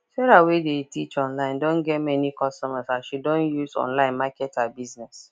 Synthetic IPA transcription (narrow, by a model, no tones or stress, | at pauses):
ʃɛɾawedetit͡ʃɔ̃nlãɪ̃ndõnɡɛtmɛnikɔstɔmazãʃidõnjuzɔ̰̃nlãɪ̃nmakɛtabiznɛs